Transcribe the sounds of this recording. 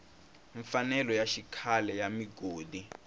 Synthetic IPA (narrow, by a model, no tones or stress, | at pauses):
ɱfanɛlɔjaʃikʰalɛjamiɡoːdi